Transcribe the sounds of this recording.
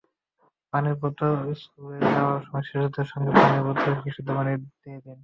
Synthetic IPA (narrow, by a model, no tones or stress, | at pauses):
paniɾpot̪oskuleɾdaoaɾʃɔmɔjʃeʃud̪eɾʃɔŋɡepaniɾpɔt̪ːoʃiʃud̪ebanid̪ijed̪en